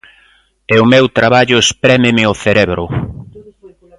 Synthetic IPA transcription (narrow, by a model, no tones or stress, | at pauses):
ɛʊmewt̪ɾaβaʎʊespɾɛmɪmɪoθeɾɛβɾʊ̰